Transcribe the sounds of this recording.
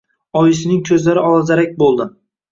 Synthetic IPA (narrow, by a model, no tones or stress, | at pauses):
ɒjɪs̬ɪnɪŋkʲʰɵzlaɾɪɒlˠazaɾak̚ʲbolˠd̪ɪ